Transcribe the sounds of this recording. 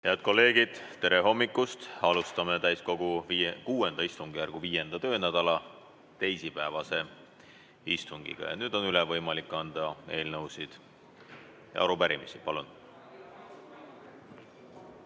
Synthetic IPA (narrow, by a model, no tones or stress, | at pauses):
he̞ɑd̪̥̚ko̞lːe̞ːɡ̥id̪̥t̪ːe̞ɾe̞ɦo̞mːikːˑust̪ɑlust̪ɑmet̪æjsko̞ɡ̥ukuːe̞nd̪ɑist̪uŋɡ̥ijærɡ̥uviːje̞nd̪̥ɑt̪ø̞ːnæd̪̥ɑlɑ | t̪e̞jsipæevɑse̞ | ist̪uŋɡ̥ḭɡ̥ɑ̰jɑ̰nyːd̪̥o̞nylɛvɤjmɑlikˑːɑnd̪̥ɑe̞ːlnɤwsid̪̥ | jɑ̰ɑɾupæɾimisipɑlun